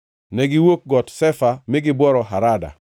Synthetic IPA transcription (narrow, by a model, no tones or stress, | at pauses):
nɛɡɪwok̚ɡɔtsɛfamɪɡɪbwɔɾɔɦaɾada̰